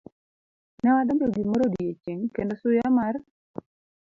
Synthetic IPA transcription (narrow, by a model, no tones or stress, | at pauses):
nɛwad̪ɔmloɡimoɾodijet͡ʃeŋkendosʊjamar